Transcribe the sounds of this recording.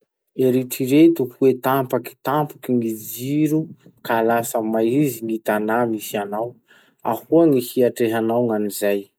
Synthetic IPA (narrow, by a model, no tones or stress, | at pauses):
eɾiʈ͡ʂiɾet̪uhuet̪ampaki̥t̪ampukiŋid͡ziɾukaːlasəmajiziŋit̪anamisianaw | ahuaŋihiaʈ͡ʂeɦanawŋanizaj